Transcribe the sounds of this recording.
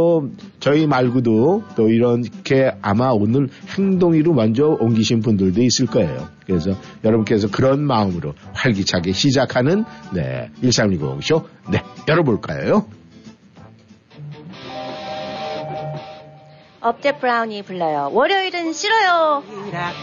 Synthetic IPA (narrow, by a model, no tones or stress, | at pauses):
ot͡ɕʌimaɭɡudot͈oiɾʌnkʰe̞amaonɯnhe̞ŋdoŋiɾowand͡ʑʌoŋɡiɕʰinpundɯɭdois͈ɯɭk͈ʌḛjo̰kɯɾe̞s̬ʰʌjʌɾʌbunk͈es̬ʰʌkɯɾʌnmaɯmɯɾopaɭɡit͡ɕʰaɡeɕʰid͡ʑakʰanɯnːe̞̰iɭs͈aŋiɡoo̰ɡɕʰone̞jʌɾʌboɭk͈a̰jo̰jo | ʌp̚t͈e̞pʰɯɾauɲipuɭːʌjowʌɾjʌiɾɯnɕʰiɾʌjo